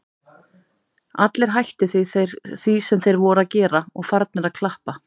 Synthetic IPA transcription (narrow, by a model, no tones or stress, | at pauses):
at̪lɛɾ̥ɦajht̪ɪθiɾθisɛmθejɾvɔɾʏaðcɛːɾaɔɣfaɾt̪̚nɪɾaðkʰlahpa